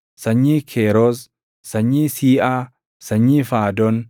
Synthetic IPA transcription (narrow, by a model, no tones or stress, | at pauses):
sɐɲːiːkʰeːɾoːz | sɐɲːiːsiːʔaː | sɐɲːiːfaːd̪ɔn